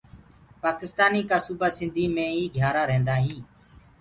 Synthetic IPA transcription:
paːkɪst̪aːniːkaːsuːbaːsɪ̃nd̪ʱiːmẽːiːɡʱjaːɾaːɾɛ̃ːnd̪aːɦĩː

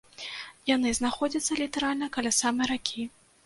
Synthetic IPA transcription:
janɨznaxɔd͡zʲɐt̪sːɐlʲit̪ɛɾalʲnɐkɐlʲasamɨjɾakʲʰi

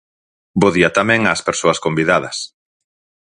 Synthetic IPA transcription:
boðiat̪amɛ̃ŋaːspeɾsoɐskombiðaðɐs

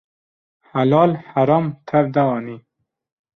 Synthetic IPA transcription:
halɑːlhaɾɑːmt̪ʰaɾd̪awɑːni

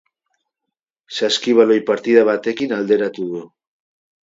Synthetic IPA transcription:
saskiβaloipaɾt̪iðaβat̪ekinald̪eɾat̪uðo

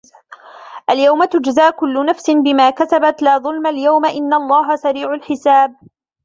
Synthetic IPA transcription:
ʔaljawmat̪ʊd͡ʒzaːʔkʊlːʊnafsɪnbɪmaːkasabat̪laːðˤʊlmaljawmaʔɪnːalˤːɑːɦasaɾiːʕʊlħɪsaːb̚

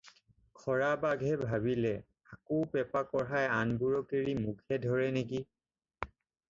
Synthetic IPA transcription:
kʰɔɹabaɡʱɛbʱaβilɛ | akopɛpakɔɹajanbuɹɔkeɹimukʰɛdʱɔɹɛnek̬i

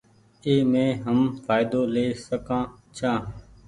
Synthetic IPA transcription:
eːmẽːɦəmfʰaːɪd̪oːleːsəkãːt͡ʃʰaː

